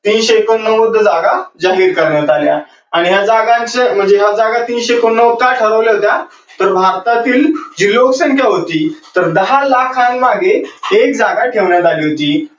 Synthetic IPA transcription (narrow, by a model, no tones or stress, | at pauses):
t̪iːnɕekənːəməd̪ʱːəd͡zaɡad͡zaɦiːɾkəɾɳjat̪alja | aɽ̃iɦjad͡zaɡãnt͡sem̤əɳd͡zeɦjad͡zaɡat̪iːnɕekunːəʋkaʈʰəɾəʋljaɦot̪ja | t̪əɾbʱaɾt̪at̪iːld͡ʑiːloksə̃ŋkʰjaɦot̪iːt̪əɾd̪əɦalakʰãŋmaɡeːk̚d͡zaɡaʈʰeʋɳjat̪aliːɦot̪iː